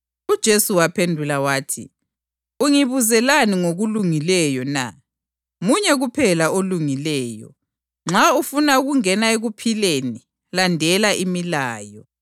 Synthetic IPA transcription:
ud̥ʒ̥ʱesuwapʰendʱulawaːtʰḭ | uŋiβuzɛlaniŋoɣuluŋilɛjɔna̰ | muɲɛɣupʰɛlaoluŋilɛːjɔ̰ | ŋ͡ǁaufunauɣuŋɛnaeɣupʰileni | landʱɛlaʔimilaːjɔ̰

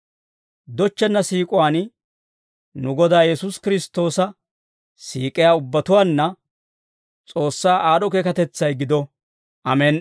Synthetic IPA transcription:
d̪ɔt͡ʃːɛnːɐsiːkʼʊwaːn | nʊɡɔd̪aːjɛsʊskɪɾɪst̪ːo̞ːsɐ | siːkʼɪjaːʊbːɐt̪ʊwaːnːɐ | t͡sʼo̞ːsːaːʔaːɗɔkeːkɐt̪ɛt͡sːɐjɡɪd̪ɔ | ʔɐmɛn

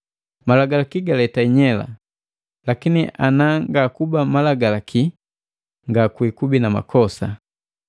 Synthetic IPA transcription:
malaɡalakiɡalɛtaiɲɛla̰ | lakiniʔanaŋɡakubamalaɡalakʰi | ŋɡakwikubinama̰kʰɔsa

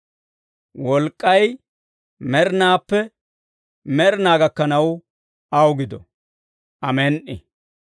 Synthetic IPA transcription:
wɔlkʼːɐj | mɛɾnaːpːɛ | mɛɾnaːɡɐkːɐnɐw | ɐwɡɪd̪ɔ̰ | ʔɐmɛnʔɪ̰

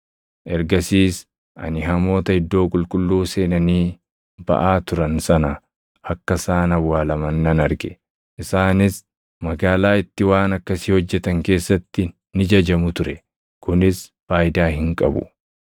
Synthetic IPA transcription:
ʔɛɾɡɐsiːs | ʔɐ̰nɪɦɐmo̞ːt̪ɐhɪd̪ːo̞ːkʼʊlkʼʊlːuːse̞ːnɐniː | bɐ̰ʔaːt̪ʊɾɐnsɐnɐ | hɐkːɐsaːnɐwːaːlɐmɐnːɐnɐɾɡɛ | ʔɪsaːnɪs | mɐɡaːlaːɪt̪ːɪwaːnɐkːɐsihɔd͡ʒːɛt̪ɐŋke̞ːsːɐt̪ːɪ | nɪd͡ʒɐd͡ʒɐmʊt̪ʊɾɛ | kʊnɪsfaːjd̪aːhɪŋkʼɐbʊ̰

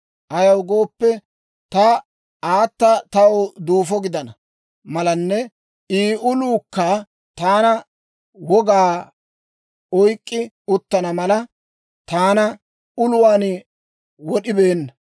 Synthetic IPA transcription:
ʔɐjɐwɡo̞ːpːɛ | t̪ɐ | aːt̪ːɐt̪ɐwd̪uːfɔɡɪd̪ɐnɐ | mɐlɐnːɛ | iːʔʊluːkːɐ | t̪aːnɐ | wɔɡaː | ɔjkʼːɪ | ʊt̪ːɐnɐmɐlɐ | t̪aːnɐ | ʊlʊwaːn | wɔɗɪbeːnːɐ

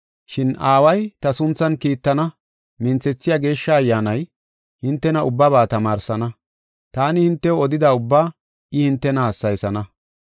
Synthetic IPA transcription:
ʃɪnaːwɐjt̪ɐsʊnt͡sːɐnkiːt̪ːɐnɐ | mɪnt͡sːɛt͡sːɪjaːɡe̞ːʃːɐːjːaːnɐj | hɪnt̪ːɛnɐʊbːɐβaːt̪ɐmaːɾsɐnɐ | t̪aːnɪhɪnt̪ːɛɔd̪ɪd̪aʊbːaː | ɪhɪnt̪ːɛnɐhɐsːɐjsɐnɐ

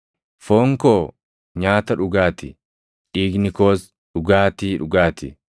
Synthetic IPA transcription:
foːŋkoː | ɲaːt̪ɐᶑʊɡaːt̪ɪ | ᶑiːɡnɪkoːs | ᶑʊɡaːt̪iːᶑʊɡaːt̪ɪ̰

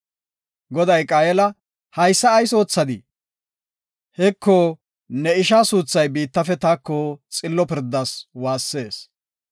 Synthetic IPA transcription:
ɡɔd̪ɐjkʼaːjɛlɐ | hɐjsːɐːjso̞ːt͡sːɐd̪ɪ | hɛkʰːo | nɛɪʃaːsuːt͡sːɐjbiːt̪ːɐfɛt̪aːkːot͡sʼɪlːɔpɪɾd̪ːɐswaːsːe̞ːs

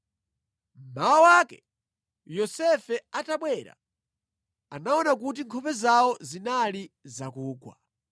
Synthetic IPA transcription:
m̩mawawakɛ | jɔsɛfɛataɓwɛɾa̰ | anaɔnak̬ut̬iŋkʰɔpɛzaɔzinalizakuːɡwa̰

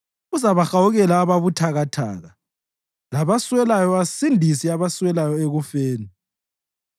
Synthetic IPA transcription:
uzaβaxawuɣɛlaːβaβutʰaɣatʰa̰ːɣa | laβaswɛlajɔasindʱisiaβaswɛlajɔeɣufeːni

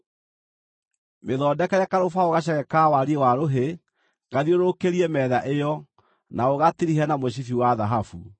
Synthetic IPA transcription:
meðɔːdɛkɛɾɛkaɾofaoɣaɕ̬ɛɣɛkawaɾiewaɾoɦe | ŋɡaðioɾokeɾiɛmɛðaʔejɔ | naoɣatiɾiɦɛnamoɕ̬ifiwaðaɦafṵ

